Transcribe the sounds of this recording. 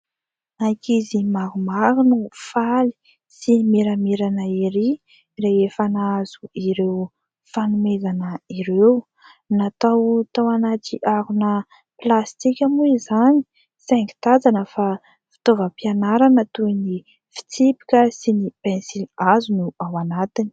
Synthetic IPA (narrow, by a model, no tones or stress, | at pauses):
nakizimaɾumaɾunufali̥ | simeɾameɾanəiɾi | reefanaaz̥uiɾew | fanumezanəiɾew | nat̪awt̪awanaʈ͡ʂiʔaɾunə | plast̪ikʲamuizani̥ | sɛŋki̥t̪ad͡zanəfa | fi̥t̪ovəpianaɾanət̪uini | fi̥t͡sipi̥kʲəsinipɛ̃nsilazunuawanat̪ini̥